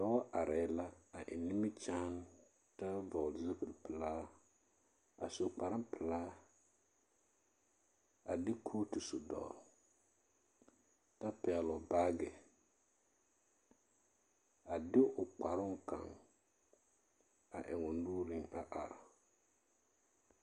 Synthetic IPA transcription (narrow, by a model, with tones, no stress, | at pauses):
dɔ˨˦ʔa˨ɾɛː˨˦la˦a˨ʔɪ̰˨nɪ˦mɪ˦t͡ʃaː˦n | ta˦vɔ˨lzɪ˦pɾpɪ˨laː˦ | a˨so˨k͡pa˨ɾɪ˦mpɪ˨laː˦ | a˨dɪ˦kʰoː˦tu˨sʊ˨dɔ̰˨ | ta˦pɛ˨ɛ˨lɔ˨ba˦ɡɪ˨ | a˨dɪ˦ʔʊ˨k͡pa˨ɾʊ˦ŋka̰˨ŋ | a˨ʔɪ˨ŋʊ˨nuː˦ɾɪ˦ŋa˨ʔa˨ɾa̰˨